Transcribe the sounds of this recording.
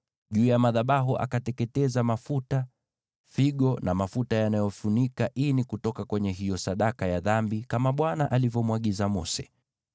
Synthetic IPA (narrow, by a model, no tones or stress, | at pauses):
ʄuːjamaðaɓaɦuʔa̰katɛkɛtɛzamafuta | fiɠɔnamafutajanajɔfunikaʔinikutɔkakwɛɲɛɦijɔsaɗakajaðambikamaɓwanaʔalivjɔmwaɠizamɔ̰sɛ̥